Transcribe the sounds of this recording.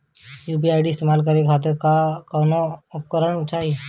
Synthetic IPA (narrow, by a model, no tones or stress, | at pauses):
juːpiaːɪɖiɪst̪eːmaːlkɐɾekʰaːt̪̬ɪɾkakɔːnoʊpkəɾəɳt͡ʃʰai